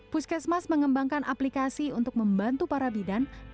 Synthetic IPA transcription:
puskɛsmasməŋəmbaŋkanʔaplikasiunt̪ʊk̚məmbant̪upaɾabidan

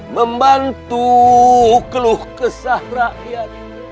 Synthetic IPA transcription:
məmbant̪u | kəluhkəsaɾaʔja

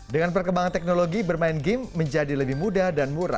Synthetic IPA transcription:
dəŋanpərkəmbaŋant̪ɛk̚noloɡibərmaɪnɡɪmːəɲd͡ʒadiləbɪhmudadanmuɾa̰

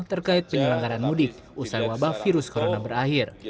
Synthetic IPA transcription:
t̪ərkaɪt̪̚pəɲəlaŋɡaɾanmudɪk̚ | ʔusajwabahfiɾʊskoɾonabəɾahir

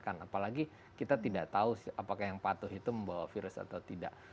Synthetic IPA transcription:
kanapalaɡi | kit̪at̪idaʔt̪ausapakahjaŋpat̪ʊɦit̪uməmbawafiɾʊsa̰t̪aut̪ida̰ʔ

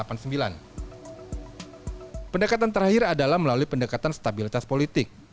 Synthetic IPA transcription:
apansəmbila̰n | pəndəkat̪ant̪əɾhahɪɾadalahməlaluipəndəkat̪anst̪abilit̪aspolit̪ɪk̚

